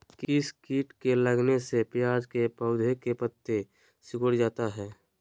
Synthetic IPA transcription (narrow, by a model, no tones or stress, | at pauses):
kɪskiːʈkeləɡnesepjaːd͡ʒkepəʊd̪ʱekepət̪ːe | sɪkəɽd͡ʒaːt̪aɦɛː